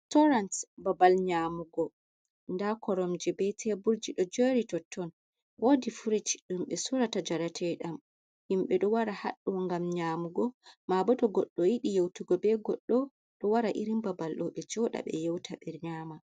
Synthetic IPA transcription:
tɔɾansbabalɲamuɡɔ | ndakʰɔɾɔmd͡ʒɛbɛtʰɛbuɾd͡ʒiɗɔd͡ʒoɾitɔtʰːɔn | wodifuɾit͡ʃɗumɓɛsuɾatad͡ʒaɾatʰɛɗam | himɓɛɗɔwaɾaha̰ɗːɔŋɡamɲaːmuɡɔmabɔtɔɡɔɗːɔjiɗijewtuɡɔbɛɡɔɗːɔ | ɗɔwaɾaʔiɾimbabalɗɔɓɛd͡ʒɔɗa̰ɓɛ̰jewtʰaɓɛɾɲaːma

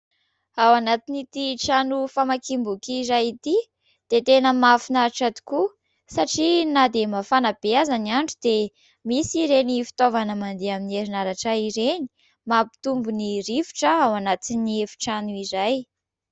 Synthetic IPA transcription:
awanat̪init̪iʈ͡ʂanufamakimbukiɾajit̪i | d̪̥et̪enəmafinaɾʈ͡ʂat̪u̥ku | saʈ͡ʂinad̪emafanabeazaniaɳɖ͡ʐud̪e | misiɾenifi̥t̪ovanəmand̪eamineɾinaɾaʈ͡ʂaiɾeni̥ | mapi̥t̪umbuniɾifi̥ʈ͡ʂəawanat̪iniefi̥ʈ͡ʂanuiɾaj

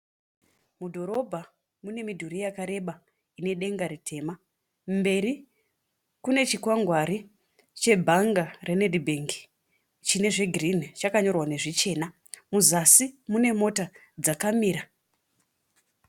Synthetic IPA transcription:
mudʱo̞ɾo̞bʱa | mune̞midʱuɾijakaɾe̞ɓa | ine̞ɗe̞ŋɡaɾitʰe̞ːma | mbe̞ɾi | kune̞t͡ʃikwaŋɡwaɾi | t͡ʃe̞bʱaŋɡarenedibʱeŋɡi̥ | t͡ʃine̞ʐe̞ɡirin̤it͡ʃakaɲo̞rwane̞ʐit͡ʃe̞ːna | muzasimune̞mo̞ta | d͡zakamiːɾa

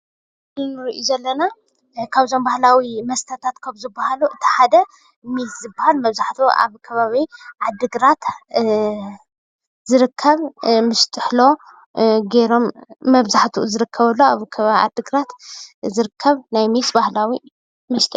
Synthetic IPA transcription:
dɨnɾiʔuzɐlːɐna | kʰaβzo̞mbahlawimɐst̪ʰɐt̪ʰat̪kʰɐβzɨbːahaluʔɨt̪ʰi̥ħad̪ɐ | mizzɨbːahalmɐβzaħt̪ʰuʔa̰βkʰɐβaβiʕad̪ːɨɡɾat̪ | zɨɾɨkʰːɐβmɨʃt̪ʰʼɨħlo̞ | ɡeɾo̞mːɐβzaħt̪ʰuzɨɾɨkʰːɐβɐlːoaβkʰɐβaβiʕa̰d̪ːɨɡɾat̪zɨɾɨkʰːɐβnajmisbahlawi | mɨʃt̪ʼʰɨ

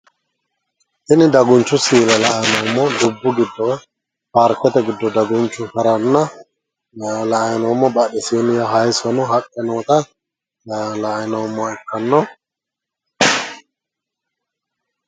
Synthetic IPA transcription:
ʔɪnɪd̪ɐɡʊnt͡ʃːʊsiːlɐlɐʔɐjnɐwmːɔd̪ʊbːʊɡɪd̪ːɔ | pɐɾkːɛt̪ɛɡɪd̪ːɔd̪ɐɡʊnt͡ʃːʊhɐɾɐnːɐ | lɐʔɐjnɔmːɔbɐɗɛsiːnɪjɐɦɐjsɔnɔɦɐkʼːɛnɔːt̪ɐ | lɐʔnɐwmːɔɛkːɐnːɔ

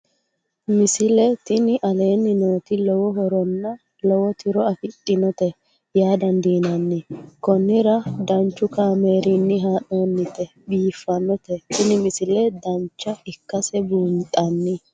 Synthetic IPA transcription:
mɪsɪlɛt̪ɪnɪʔɐle̞ːnːɪno̞ːt̪ɪlɔwɔɦɔɾɔnːɐ | lɔwɔt̪ɪɾɔɐfɪt̪ʼːɪnɔt̪ɛ | jaːd̪ɐnd̪iːnɐnːɪkɔnːɪɾɐd̪ɐnt͡ʃːʊkaːme̞ːɾɪnːɪɦaːʔoːnːɪt̪ɛ | biːfːɐnːɔt̪ɛt̪ɪnɪmɪsɪlɛd̪ɐnt͡ʃːɐɪkːɐsɛbuːnt̪ʼɐnːɪ

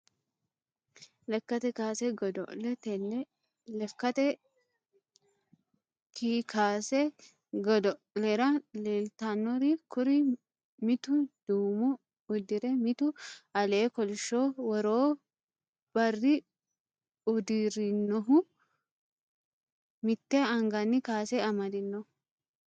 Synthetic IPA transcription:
lɛkːɐt̪ɛkaːsɛɡɔd̪ɔʔlɛt̪ɛnːɛ | lɛfkɐt̪ɛ | kikʰaːsɛ | ɡɔd̪ɔ | lɛɾɐleːlt̪aːnːɔɾikʊɾɪ | mɪt̪ʊd̪̥uːmʊ | ʊd̪ɪɾɛmɪt̪ʊɐleːkɔlɪʃːoːwɔɾoː | b̥ɐrːɪ | ʊd̪ɪɾɪnːɔɦʊ | mɪt̪ːɛɐŋɡɐnːɪkaːsɛɐmɐd̪ɪnːɔʊ

